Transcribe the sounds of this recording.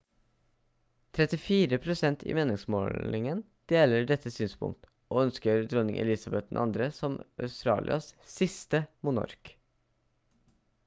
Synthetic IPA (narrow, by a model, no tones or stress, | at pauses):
t̪ʰɾɛt̪ɪfiːɾəpʰɾʊsɛnt̪ḭːmeːnɪŋsmo̰ɪŋən | d̪̥eːləɖɛt̪ːəsyːnspʰʊ̰ŋk̚t̪ | ʔoːœnskəɾd̪ɾɔnɪ̰ŋʔɛ̰lɪːsɑbɛt̪̚d̪ɛn̩ʔɑnd̪ɾəsɔmʔœʉst̪ɾɑ̰ːlʔɪ̰ʔɑ̰ssɪst̪əmʊnɑ̰ɾk